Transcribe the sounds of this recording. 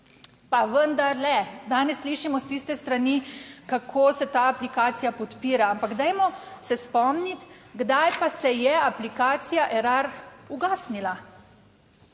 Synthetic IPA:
paʋənd̪aɾlɛd̪aːnɛsːliːʃimɔst̪ist̪ɛst̪ɾanikakʰoːsɛt̪aːaplikaːt̪sijapɔt̪piːɾaampaɡd̪ɛjmɔsɛspɔmnit̪ɡd̪ajpasɛjɛaplikaːt̪sijaʔɛɾaɾuɡaːsnila

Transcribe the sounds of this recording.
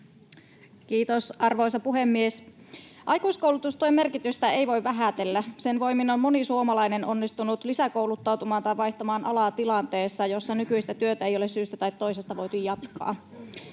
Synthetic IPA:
k̟iːt̪osɑrʋo̞isɑpuɦemːies | ʔɑjkuisko̞uwlut̪ust̪uojme̞rkit̪yst̪æe̞jʋo̞iʋʋæɦæt̪elːæsenʋo̞jminommo̞nisuomɑlɑjne̞nʔo̞nːist̪unut̪lisækouwlut̪ːɑwt̪umɑːnt̪ɑjʋɑjçt̪ɑmɑːnʔɑ̰lɑːt̪ilɑnt̪e̞ːsːɑjo̞sːɑnykyist̪æt̪yøt̪æejo̞lessyːst̪æt̪ɑjt̪ːo̞isest̪ɑʋo̞jt̪ujjɑt̪kɑ̰ː

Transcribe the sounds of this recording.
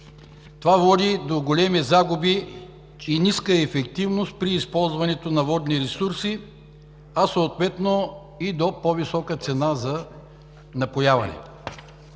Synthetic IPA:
t̪ovavɔd̪id̪oɡolʲɛmizaɡubiː | niskəɛfɛkt̪ivnost̪̚pɾiːspɔlˠzvɐnɛt̪onɐvɔd̪niɾɛsuɾsi | ɐsoːt̪vɛt̪no | id̪opɔvisɔkət̪sɛnazɐ | nɐpojavɐ̰nɛ̰

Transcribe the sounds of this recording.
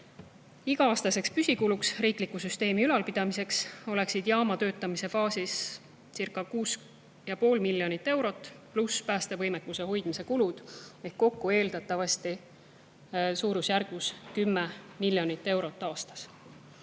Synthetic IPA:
iɡ̥ɑɑːst̪ɑse̞kspysʲikuluksriːklikːˑusyst̪e̞ːmiylɑlpid̪̥ɑmise̞kso̞le̞ksid̪̥jɑːmɑt̪ø̞ːt̪ːˑɑmise̞fɑːsis | sirkːˑɑkuːs | jɑpo̞ːlmiljo̞nit̪ːe̞wɾo̞t̪ːˑpluspæːst̪e̞vɤjmekːˑuse̞ho̞jd̪̥mise̞kulud̪̥e̞hkːo̞kːue̞ːld̪̥ɑt̪ːˑɑvɑst̪i | suːɾusjærɡ̥vuskymːemilːjo̞nit̪ːe̞wɾo̞t̪ˑːɑːst̪ɑ̥s

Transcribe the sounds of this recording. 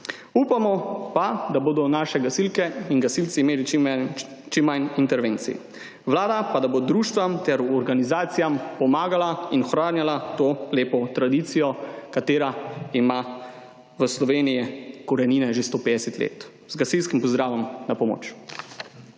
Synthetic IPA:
uːpamɔpad̪aboːd̪ɔnaːʃɛɡasilkɛinɡasilsiːmeːli | t͡ʃimːajnint̪ɛɾʋeːnt̪sḭ | ʋlaːd̪apad̪abod̪ɾuːʃt̪ʋamt̪ɛɾɔɾɡanizaːt̪sijampɔmaːɡalainɔxɾaːnjalat̪oːleːpɔt̪ɾad̪iːt̪sijɔkat̪eːɾaima | ʋəslɔʋeːnijɛkɔɾaniːnɛʒest̪oːpeːd̪ɛsɛt̪lḛːt̪ | zɡasilskimpɔzd̪ɾaːʋɔmnapɔmo̰ːt͡ʃ

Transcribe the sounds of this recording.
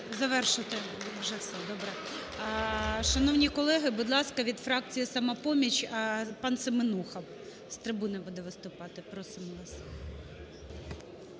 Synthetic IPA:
zɐʋɛrʃɪt̪ɪʋʒɛfsɛd̪ɔbɾɛ | ʃɐnɔwnʲikɔlˠɛɦɪbud̪lˠɑskɐʋʲid̪fɾɑk̚t͡sʲijisɐmɑpɔmʲit͡ʃʲpɑnsɪmɪnuxɐm | st̪ɾɪbunɐbud̪ɛʋɪst̪ʊpɑt̪ɪpɾɔsɪmˠɑs

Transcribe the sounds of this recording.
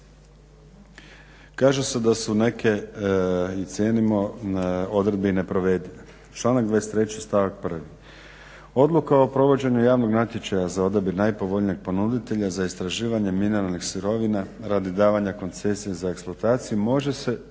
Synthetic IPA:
kaːʒesed̪asune̞ke̞ | it̪sʲje̞ːnimo̞ | o̞d̪ɾe̞d̪̚beine̞pɾo̞ʋe̞d̪ine | t͡ʃlˠaːnaɡ̚d̪ʋaest̪ɾe̞t͡ɕist̪aʋak̚pr̩ʋi | o̞d̪lˠukao̞pɾo̞ʋo̞d͡ʑe̞ɲujaːʋno̞ɡnat̪je̞t͡ɕajazao̞d̪abiɾnajpo̞ʋo̞ʎnieɡ̚po̞nud̪it̪e̞ʎazaist̪ɾaʒiːʋaɲe̞mineɾalnixsuɾo̞ʋinaɾad̪id̪aːʋaɲako̞nt̪se̞sije̞zaeksplˠat̪aːt̪sijumo̞ʒe̞se̞

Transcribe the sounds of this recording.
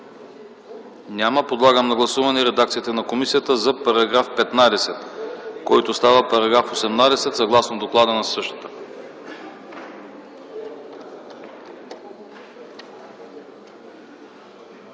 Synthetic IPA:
nʲaməpod̪lˠaɡəmnɐɡlˠɐsuvɐnɛɾɛd̪akt̪it̪ɛnɐkomisijət̪əzɐpɐɾɐɡɾafpɛt̪nad̪ɛsɛt̪kɔjt̪ost̪avəpɐɾɐɡɾafosɛmnad̪ɛsɛt̪sɐɡlˠasnod̪oklˠad̪ənɐsɤʃt̪ə̥t̪ə̥

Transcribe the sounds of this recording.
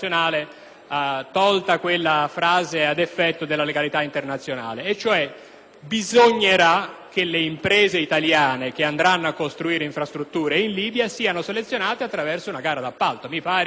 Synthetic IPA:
jonaːle | t̪ɔlt̪akwelːafɾaːzead̪efːɛt̪ːod̪elːaleɡalit̪aint̪ernat̪sjona̰ːleːt͡ʃːoɛ | bizoɲːeɾak̟ːeleimpɾɛːzeit̪aljaːnekeand̪ɾanːoakːost̪ɾuiːɾeiɱfɾast̪ɾut̪ːuːɾeinliːbjasiːanoselet̪sːjonaːt̪eat̪ːɾavɛrsounaɡaːɾad̪apːalt̪omipaːɾ

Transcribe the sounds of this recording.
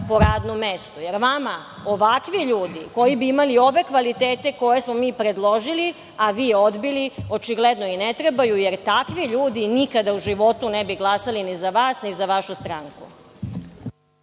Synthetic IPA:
po̞ɾaːd̪nomest̪ujeɾʋama | o̞ʋakʋiʎuːd̪iko̞jibiimalio̞ʋe̞kʋalit̪eːt̪e̞ko̞jesmomiːpɾe̞d̪lˠo̞ʒili | aʋiːo̞d̪bilio̞t͡ʃiɡled̪noinet̪ɾebajujeɾt̪akʋiʎuːd̪inikad̪auʒiʋo̞t̪unebiɡlˠasalinizaʋaːsnizaʋaʃust̪ɾaŋku

